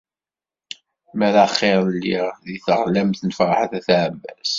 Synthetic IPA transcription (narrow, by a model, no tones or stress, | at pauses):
mæɾæχːeɾˤlːiʁðiθəʁlæmθnəfɾˤɑ̰ħaθæθʕbːæ̰s